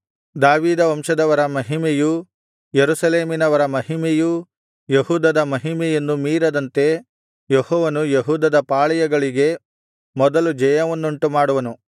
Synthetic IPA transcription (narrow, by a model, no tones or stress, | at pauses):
d̪aːʋiːd̪ɐʋɐmʂɐd̪ɐʋɐɾɐmɐɦimeju | jeɾusɐleːminɐʋɐɾɐmɐɦimeju | jehuːd̪ɐd̪ɐmɐɦimɛjɐnːumiːɾɐd̪ɐnt̪e̞ | jehɔːʋɐnujeɦuːd̪ɐd̪ɐpaːɭɐjɐɡɐɭiɡe̞ | mɔd̪ɐlud͡ʒɐjɐʋɐnːuɳʈumaːɽuʋɐnu